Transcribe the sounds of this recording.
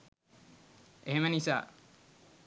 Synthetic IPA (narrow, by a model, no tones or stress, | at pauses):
ʔeɦemənisa̰ː